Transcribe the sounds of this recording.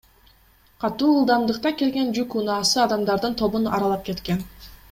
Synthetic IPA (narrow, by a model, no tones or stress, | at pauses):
qʰɑt̪uːɯlˠd̪ɑmd̪ɯqt̪ɑke̞lɡe̞nd͡ʒykunɑːsɯɑd̪ɑmd̪ɑɾd̪ɯnt̪ʰo̞βunɑ̰ɾɑlˠɑp̚ke̞t̪ke̞n